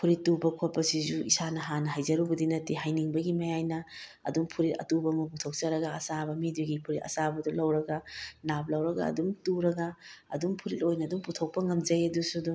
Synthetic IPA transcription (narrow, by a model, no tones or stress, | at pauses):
pʰuɾitːubɐkʰot̚pɐsizuisanɐɦanɐɦajzɐɾubɐdinɐtːiɦajniŋbɐɡimɐjajnɐ | ɐ̰duŋpʰuɾitɐ̰tubɐmɐputʰok̚t͡ʃɐɾɐɡɐɐsabɐmiduɡipʰuɾitɐ̰sabɐdulɐwɾɐɡɐnap̚lɐwɾɐɡɐ̰ɐ̰dumtuɾɐɡɐ̰ːdumpʰuɾitojnɐːduŋputʰok̚pɐŋɐmd͡ʒɐjɐdusudu